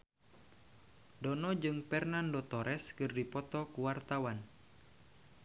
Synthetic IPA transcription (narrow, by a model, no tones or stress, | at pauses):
dɔnɔd͡ʒɨŋpɛrnandɔt̪ɔɾʔɛskɨrdipɔt̪ɔkuwart̪awan